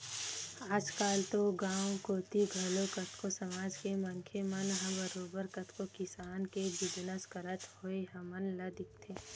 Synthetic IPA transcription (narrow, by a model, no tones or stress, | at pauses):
aːd͡ʒkaːlt̪oɡãːwkoːt̪iɡʱɐlokɐt̪ʰkosɐmaːd͡ʒkemɐŋkʰemɐnɦɐ̃bəɾoːbəɾkɐt̪ʰkokɪsaːnkebɪd͡ʒnəskəɾət̪hoeɦɐmənlɐd̪ɪk̚t̪ʰeː